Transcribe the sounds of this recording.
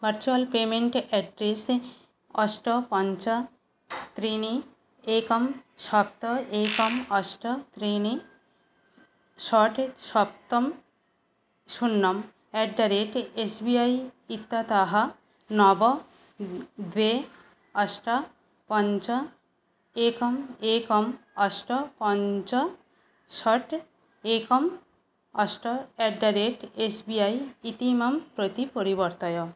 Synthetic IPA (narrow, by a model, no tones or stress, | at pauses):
bɐɾt͡ɕualpemeɳʈɛɖɾes | ɔsʈɔpɔnt͡ɕa | t̪ɾini | ekɔmʃɔp̚t̪ɔekɔmɔsʈɔt̪ɾini | ʃɔʈʃɔp̚t̪ɔm | ʃunːɔm | ɛɖɖaɾeʈesbiajit̪ːat̪aɦa | nɔbɔ | d̪we | aʃʈa | pɔnt͡ɕa | ekɔmekɔmɔsʈɔpɔnt͡ɕa | ʃɔʈ | ekɔm | ɔsʈɔɛɖaɾeʈesbiajit̪imampɾot̪ipoɾibɔɾt̪ɔjo